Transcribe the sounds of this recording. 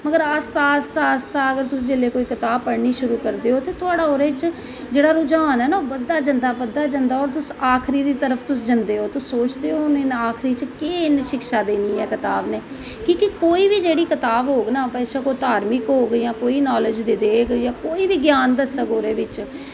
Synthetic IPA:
məɡəɾast̪aːst̪aəst̪aːəɡəɾt̪ʊsd͡ʒɪleːkoːiːkət̪aːbpəɽɳiːʃʊɾuːkəɾd̪eːɦoːt̪eːt̪ʊaːɽaːoɾeːt͡ʃ | d͡ʒeːɽaːɾʊd͡ʒaːnɦɛːnaːoːbəd̪ːaːd͡ʒənd̪aːbəd̪aːd͡ʒənd̪aːɔːɾt̪ʊsaːkʰɾiːd̪iːt̪əɾəpʰt̪ʊsd͡ʒənd̪eːɦoːt̪ʊsːoːt͡ʃd̪eːɦoːnenaːkʰɾiːt͡ʃkeːnʃɪkʃaːd̪eːniːɛːkɪt̪aːbneː | kĩːkɪkoːiːʋiːd͡ʒeːɽiːkɪt̪aːbɦoːɡnãːpɛːsaːkoːt̪aːɾmɪkɦoːɡiːjãːkoːiːnɔːləd͡ʒd̪iːd̪eːkːjãːkoːiːbiːɡjaːnd̪əsəkoːɾeːʋɪt͡ʃ

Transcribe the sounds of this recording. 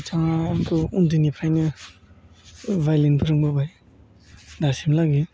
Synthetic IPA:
t͡ʃaŋakʰɯundɯnipʰɾajnɯ | vajlenpʰɯɾɯŋbɯbaj | dasimlaɡi

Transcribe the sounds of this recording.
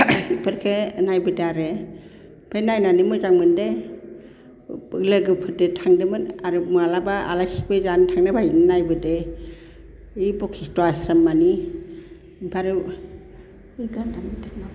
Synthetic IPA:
ipʰɯɾkʰɯnajbɯdaɾe | pʰajnajnanɯmɯzaŋmɯnde | bɯɡlɯɡɯpʰɯdɯtʰaŋdɯmɯnaɾɯmɯalabaa̰lasi̥bɯzantʰaŋnabʱajnɯnajbɯde | ibɔkʰistɔasɾamːani | ipʰaɾɯ | ɯɡandaŋitʰaŋa

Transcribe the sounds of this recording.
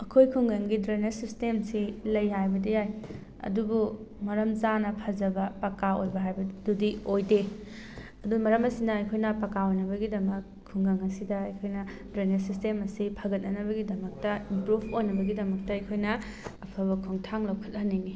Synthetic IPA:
ɐkʰojkʰuŋɡɐŋɡidɾenesistemsilɐjɦajbɐdijaj | ɐ̰dubu | mɐɾɐmzanɐpʰɐd͡ʒɐbɐpɐkaojbɐɦajbɐdudiojde | ɐdumɐɾɐmɐsinɐːjkʰojnɐpɐkaojnɐβɐɡidɐmɐkʰːuŋɡɐŋɐsidɐːjkʰojnɐdɾenesistemɐsipʰɐɡɐt̚nɐnɐbɐɡidɐmɐk̚tɐimpɾubojnɐbɐɡidɐmɐk̚tɐɐjkʰojnɐ | ɐpʰɐβɐkʰoŋtʰaŋlɐwkʰɐ̥t̚ːɐnini

